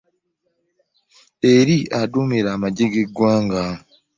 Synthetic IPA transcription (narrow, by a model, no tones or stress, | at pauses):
eɾiadumeɾamaɟeɡeɡwaːŋɡa